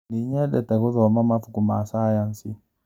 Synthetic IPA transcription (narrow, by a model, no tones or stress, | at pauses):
niɲɛɗɛtakuðɔmamafukumaːsaːjansi